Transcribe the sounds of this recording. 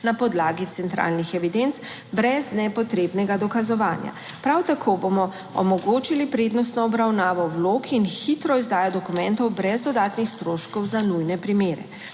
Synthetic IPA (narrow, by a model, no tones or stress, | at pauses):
napɔd̪laːɡit̪sɛnt̪ɾa̰ːlnixɛʋid̪ent̪s | bɾɛznɛpɔt̪ɾeːbnɛɡad̪ɔkazɔʋaːnja̰ | pɾawt̪akʰoːbomɔ | ɔ̰mɔɡoːt͡ʃilipɾeːd̪nɔs̬t̪nɔːbɾawnaːʋɔwloːkinxit̪ɾɔizd̪aːjad̪ɔkumɛ̃nt̪ɔwbɾɛzd̪ɔd̪aːt̪nixst̪ɾoːʃkɔwzanujnɛpɾimeːɾɛ̰